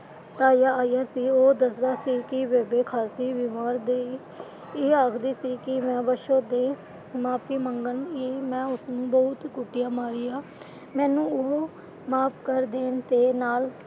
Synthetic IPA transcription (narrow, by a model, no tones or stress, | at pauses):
t̪aːjaːaːijaːsiːoːd̪əsd̪aːsiːkɪʋɛːbeːkʰaːsiːʋɪmaːɾd̪eːi | eːaːkʰd̪iːsiːkɪmɛ̃ːbəʃoːd̪eː | maːpiːməŋɡəniːmɛ̃ːʊsnũːbəʊt̪kʊʈɪjãːmaːɾiːaː | mɛ̃ːnũːoɦ | maːpʰkəɾd̪eːnt̪eːnaːl